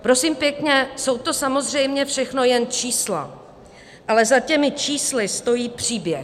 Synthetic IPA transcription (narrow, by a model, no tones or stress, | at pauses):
pɾo̞siːmpjɛkɲɛso̞wt̪o̞samo̞zr̝ɛjmɲɛfʃɛxno̞jɛnt͡ʃiːsla̰ | ʔalɛzacɛmɪt͡ʃiːslɪst̪o̞jiːpr̥iːbjɛ